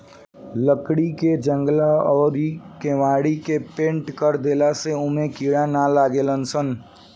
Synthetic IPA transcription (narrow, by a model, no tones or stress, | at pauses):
ləkɽiked͡ʒə̃ŋɡlaɔːɾikemaːɽikepẽːɳʈkəɾd̪eːlaseʊmẽkiːɽanalaːɡeːlənsən